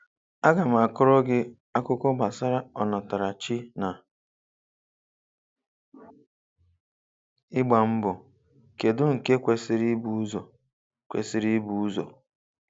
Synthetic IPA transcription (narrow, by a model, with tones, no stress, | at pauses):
a˦ɡa˨m̩˨a˨kʊ˦ɾɔ˦ɡɪ˦ | a˦kʊ˦kɔ˦ɡ͡ba˨sa˦ɾa˦ɔ˨nɔ˨ta˨ɾa˨t͡ʃi˦na˨ | ɪ˦ɡ͡ba˨m̩˦bʊ˨ | ke˨dʊ˦ŋ̩˨ke˦kʷe˨sɪ˨ɾi˦bu˦zɔ˨ | kʷḛ˨sɪ˨ɾi˦bu˦u˦zɔ̰˨